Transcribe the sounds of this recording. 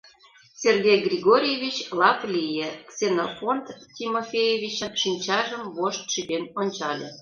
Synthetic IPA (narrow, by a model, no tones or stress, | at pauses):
serɡʲejɡrʲiɣoɾʲijevʲit͡ɕlɑplʲijeksenofont̪tʲimofʲejevʲit͡ɕənʃinʲt͡ɕɑʒəmβoʃt̪ʃid̪enonʲt͡ɕɑlʲḛ